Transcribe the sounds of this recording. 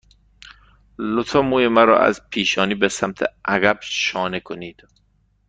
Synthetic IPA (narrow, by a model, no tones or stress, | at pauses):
lot̪ʰɒːmuːjemæɾɒ̰ːʔæ̰zpʰiːʃɒːniːbesæmt̪ʰḛʔæɣæb̥ʃɒːnekʰoniːd̪̥